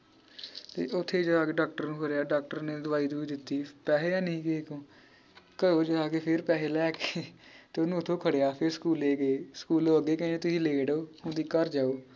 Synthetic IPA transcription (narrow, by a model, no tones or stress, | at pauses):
t̪ḛːʔʊt̪ʰːeːd͡ʒəaːkeːɖaːk̚ʈəɾnũːkʰəɾejaːɖaːk̚ʈəɾneːd̪ʊʋaːiːd̪uːiːd̪ɪt̪ːiːpɛːɦeːjãːnəĩːkekõː | kəɾoːd͡ʒəaːkeːpʰɪɾpɛːɦeːlɛːket̪eːonũːʊt̪ʰõːkʰəɽeːaːpʰɪɾsə̥kuːleːɡeːskuːloːəɡeːkɛ̃eːt̪ʊsĩːleːɖoːhʊ̃ːd̪iːkəɾd͡ʒaːoː